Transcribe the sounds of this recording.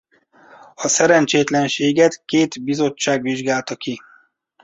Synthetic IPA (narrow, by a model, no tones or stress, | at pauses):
ɒsɛɾɛnt͡ʃeːt̪lɛnʃeːɡɛt̪keːt̪bizo̞t͡ʃːaːɡʋiʒɡaːlt̪ɒki